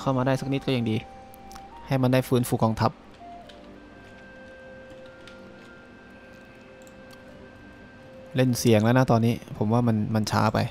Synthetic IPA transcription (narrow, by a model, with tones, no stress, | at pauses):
kʰa˥˩maː˧daː˥˩sa˦˥k̚ni˦˥kɔː˥˩ja˨˩ŋdiː˧ | ha˥˩jma˧ndaː˥˩jfɯː˦˥nfuː˧kɔː˧ŋt̪ʰa˦˥p̚ | le˥˩nsi˨˩˦əŋlɛ˧˦˥na˦˥˩t̪ɔː˧nːiː˦˥pʰo˩˦mwaː˥˩ma˧nma˧nt͡ɕʰa̰ː˦˥pa̰˧j